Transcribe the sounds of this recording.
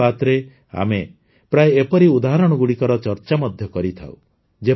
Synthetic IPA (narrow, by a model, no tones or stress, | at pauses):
at̪ɾe | a̰me | pɾajːpɔɾiud̪aɦaɾɔɽ̃ɔɡuɽikɔɾɔt͡ʃɔɾt͡ʃamɔd̪ʱjɔkɔɾit̪ʰa̰w | d͡ʒe